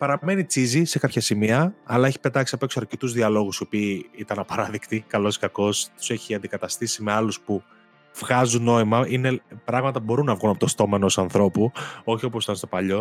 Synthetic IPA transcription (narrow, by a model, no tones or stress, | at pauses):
pɐɾɐmenit͡sizise̞kɐpçɐsimiɐɐlɐe̞çi̥pe̞t̪ɐksiɐpoesɐɾcet̪uzðiɐlo̞ɣusio̞piːit̪ɐnɐpɐɾɐðekt̪ikɐlo̞skɐko̞st̪u̥se̞çiɐnd̪ikɐt̪ɐst̪isime̞ɐluspu | v̥ɣɐzunːo̞imɐine̞pɾɐɣmɐt̪ɐbo̞ɾunːɐvɣunɐpot̪ost̪o̞menosɐnθɾo̞puo̞çio̞posit̪ɐnst̪o̞pɐʎo̞